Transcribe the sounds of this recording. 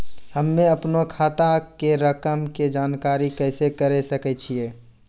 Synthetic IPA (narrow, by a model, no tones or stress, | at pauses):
həmːẽɐpnokʰaːt̪akeɾəkəmked͡ʒaːnkaːɾikɛːɪsekəɾesəkɛt͡ʃʰieː